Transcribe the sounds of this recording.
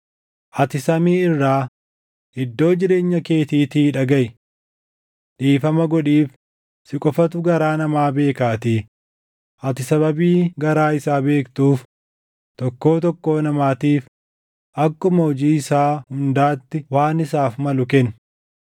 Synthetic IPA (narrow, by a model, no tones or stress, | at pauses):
ʔɐt̪ɪsɐmiːɪrːaː | hɪd̪ːo̞ːd͡ʒɪɾe̞ːɲːɐke̞ːt̪iːt̪iːᶑɐɡɐʔ | ᶑiːfɐmɐɡɔᶑiːf | sɪkʼɔfɐt̪ʊɡɐɾaːnɐmaːbe̞ːkaːt̪iː | ʔɐt̪ɪsɐbɐbiːɡɐɾaːɪsaːbe̞ːkt̪uːf | t̪ɔkːo̞ːt̪ɔkːo̞ːnɐmaːt̪iːf | ʔɐkːʊmɐɔd͡ʒiːɪsaːhʊnd̪aːt̪ːɪwaːnɪsaːfmɐlʊkɛn